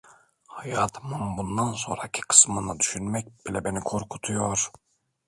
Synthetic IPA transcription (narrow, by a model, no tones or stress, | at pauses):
hajaːt̪ʰɯmɯnbund̪anso̞̰nɾaicʲʰi̥kʰɯ̥smɯnɯd̪yʃynmɛc̚bilʲɛbe̞nikʰo̞ɾkʰu̥t̪ʰujoɾ̥